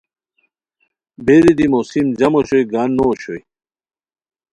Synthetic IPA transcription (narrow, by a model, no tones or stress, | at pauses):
beɾid̪imosimd͡ʑɐmoɕojɡaːnːoɕoi